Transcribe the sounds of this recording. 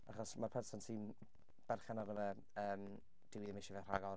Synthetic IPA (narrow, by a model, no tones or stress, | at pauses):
aχɔsmarpʰɛnsansʰiːm | b̥ɛrχɛnaɾəvə | əːm | d̥ɪwɪðɪmɪʃɛvɛr̥a̰ɡɔ